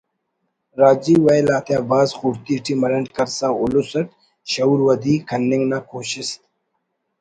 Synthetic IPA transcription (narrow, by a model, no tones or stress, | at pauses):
ɾaːd͡ʑiwɐjlaːt̪ʰjãːbaːzxuɾt̪iʈimɐɾɐɳʈkɐɾsaːʊlusɐʈ̚ | ɕɐuɾwɐd̪iːkʰɐnːɪŋɡnaːkoːɕɪst̪